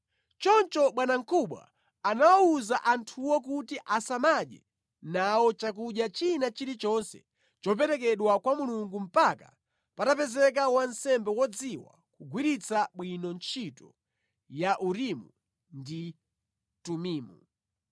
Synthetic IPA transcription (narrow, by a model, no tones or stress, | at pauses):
t͡ʃɔnt͡ʃɔɓwanaŋ̩kʰuɓwa̰ː | nawauzaʔantʰuwɔk̬utiʔasamaɗɛ̰ | nawɔt͡ʃak̬uʄjat͡ʃinat͡ʃiɾit͡ʃɔnsɛ̰ | t͡ʃɔp̬ɛɾɛk̬ɛɗwakwamuluŋɡum̩paka | patapɛzɛk̬awansɛmbɛwɔd͡ziwa̰ | kuɡwiɾit͡saɓwinɔnt͡ʃʰitɔ̰ | jaʔuɾimu | ndi | tumiːmu